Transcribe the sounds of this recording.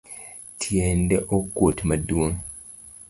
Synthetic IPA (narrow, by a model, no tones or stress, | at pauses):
tʰjendeʔokːwotimaduoŋ